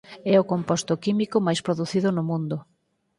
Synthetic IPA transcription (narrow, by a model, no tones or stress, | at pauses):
ɛʊkompɔst̪ʊkimikʊmajspɾoðuθiðʊnʊmũnd̪ʊ